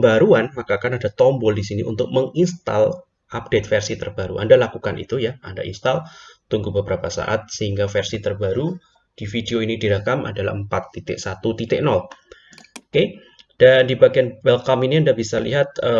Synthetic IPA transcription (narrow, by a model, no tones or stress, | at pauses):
mbaɾuanmakakanadat̪ɔmbɔldisiniʔṵnt̪ʊk̚məŋinst̪a̰l | ʔap̚d̥et̪̚fɛrsit̪ərbaɾṵʔa̰ndalakukanḭt̪ujaanda̰ʔḭnst̪alt̪uŋɡubəbəɾapasa̰ʔa̰t̪̚səhiŋɡafɛrsit̪ərbaɾu | d̥ifideoinidiɾakamʔa̰dala̰həmpat̪ːit̪ɪʔsat̪ut̪it̪ɪʔnɔl | oke | d̥andibaɡianbɛlkaminiandabisalḭɦat̪̚ə